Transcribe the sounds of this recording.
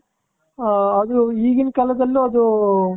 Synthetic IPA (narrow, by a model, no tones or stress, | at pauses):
ɐd̪uiːɡinkɐlɐd̪ɐlːuɐd̪u